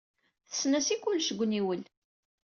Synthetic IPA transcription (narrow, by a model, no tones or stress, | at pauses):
θə̥snæsikːʊlʃəɡʷːniwəl